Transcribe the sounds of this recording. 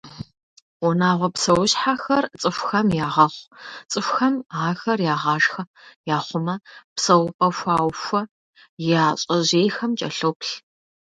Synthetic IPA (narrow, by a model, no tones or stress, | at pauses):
wɔnaːʁʷɔpsɐwʊɕħaxɐrt͡sʼɨfxɐmjaːʁɐχʷt͡sʼɨfʷxɐmaːxɐrjaːʁɑːʒxɐ | jaːχʷʊmɐpsɐwpʼɐfʷaːwfʷɐ | jaːɕʼɐʑeːjxɐmt͡ʃʼɐɬopɬ